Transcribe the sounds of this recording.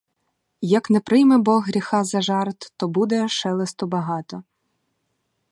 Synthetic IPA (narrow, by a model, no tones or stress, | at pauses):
jɐknɛpɾɪjmɛbɔɦɦɾʲixɑzɐʒɑrt̪ːɔbud̪ɛʃɛlˠest̪ɔbɐɦɑt̪ɔ